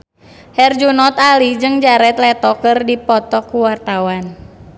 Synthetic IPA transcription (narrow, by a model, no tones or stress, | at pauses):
hɛrd͡ʒunɔt̪alid͡ʒɨŋd͡ʒaɾɛt̪lɛt̪ɔkɨrdipɔt̪ɔkuwart̪awan